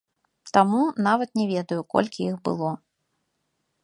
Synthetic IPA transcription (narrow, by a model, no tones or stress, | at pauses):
t̪amunavɐt̪nʲɛvʲɛd̪ɐjukɔ̰lʲkʲiixbɨ̰lˠɔ